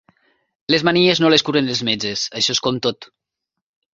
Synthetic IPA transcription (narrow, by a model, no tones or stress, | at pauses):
lezmanieznoleskuɾenlezmed͡ʒesaʃɔeskɔmt̪ot̪